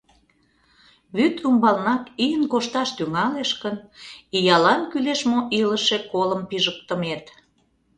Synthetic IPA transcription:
βyt̪umbɑlnɑkijənkoʃt̪ɑʃt̪yŋɑleʃkənijɑlɑnkyleʃmoʔiləʃekoləmpiʒək̚t̪ə̆met̪

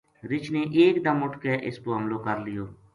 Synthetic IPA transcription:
ɾɪt͡ʃneːʔeːkd̪əmʊʈʰkeːʔɪ̰skoːɦəmloːkəɾlɪjoː

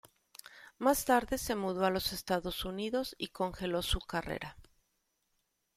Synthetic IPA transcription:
mast̪aɾðe̞se̞muð̞o̞alo̞se̞st̪aðo̞suniðo̞siko̞ŋxe̞lo̞sukare̞̰ɾa

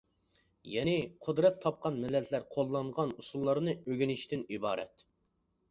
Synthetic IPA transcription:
jɛnɪqʰʊd̪ɾɛt̪ʰːɑp̚qɑnmɛlːɛt̪ʰlæɾqʰolˠːɑɴʁɑnusulˠːɑɾnɨøɡʲinɪʃt̪ɪnibɑːɾɛ̰t̪

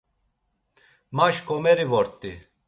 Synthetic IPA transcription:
maʃkʼɔmɛɾivɔɾt̪ʼi

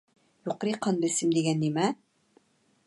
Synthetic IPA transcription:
juqɾiqɑnd̪ɘ̆sɘmd̪iɡænːimæ

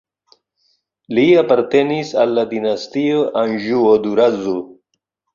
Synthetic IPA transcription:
liapaɾt̪enisalːad̪inast̪ioʔanʒuod̪uɾazo

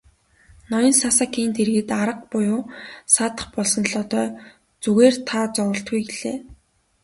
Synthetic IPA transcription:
nɔjɞ̆nsasaːkʰiːnt̪eɾ̆ɣɘ̆t̪aɾə̆q̚pʊjʊːsaːt̪ə̥̆χpɔɮsɞ̆nɮɔːt̪œː | t͡suɣeːr̥t̪ʰaːt͡sɔwɞ̆ɬt̪̚ɡujɡeɮeː

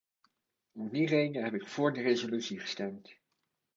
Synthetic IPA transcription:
ɔmdirejnəɦɛpɪkfʊːɹdərezolytsiχə̥stɛmt

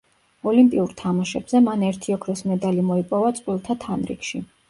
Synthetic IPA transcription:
ɔlimpʼiuɾt̪ʰamaʃɛbz̥ɛmanɛɾt̪ʰiɔkʰɾɛsmɛd̪alimɔipʼɔvat̪sʼqʼwilˠt̪ʰat̪ʰanɾḭkʃi

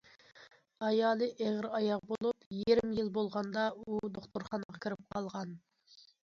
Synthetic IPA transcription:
ɑjɑːlˠɨʔeʁɾɑjɑq̚bolˠupjieɾɪmjilˠbolˠʁɑnd̪ɑud̪oχt̪oɾχɑnɑʁɑkʲʰiɾɪp̚qʰɑlˠʁɑn

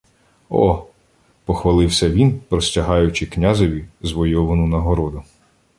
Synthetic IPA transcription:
ɔ̰ | pɔxʋɐlˠɪwsʲɐʋʲinpɾɔsʲtʲɐɦɑjʊt͡ʃɪknʲazɔʋʲizʋɔjɔʋɐnʊnɐɦɔɾɔd̪ʊ

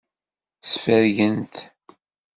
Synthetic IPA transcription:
sfəɾʝənt̪

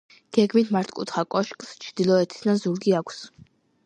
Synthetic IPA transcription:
ɡ̥ɛɡmit̪ʰmaɾt̪ʰkʼṵt̪ʰχakʼɔʃkʼst͡ʃʰd̪ilˠɔɛt̪ʰi̥sd̪anzuɾɡiakʷʰs

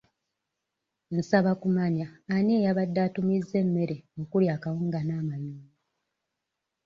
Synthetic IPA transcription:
n̩saβakumaɲaːneːjaβadːaːtumizːe̞mːe̞ɾe̞okuljakawuŋɡanaːmajuːa

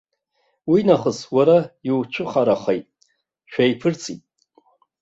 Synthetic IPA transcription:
winaχəswaɾajiwt͡ʃʷʰʊχaɾaχejtʼ | ʃᶣajpʰɨrt͡sʰitʼ

